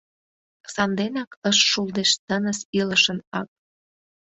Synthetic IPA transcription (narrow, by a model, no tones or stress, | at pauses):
sɑnd̪enɑkəʃːuld̪eʃt̪ənəsiləʃənɑk̚